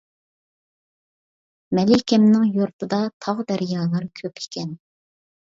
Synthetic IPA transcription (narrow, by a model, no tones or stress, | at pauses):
mɛlɪkʲɛmnɪŋjoɾt̪ʰɨd̪ɑt̪ʰɑʁd̪æɾjɑːlˠɨɾɨkʲʰøpʰe̥kʲʰɛn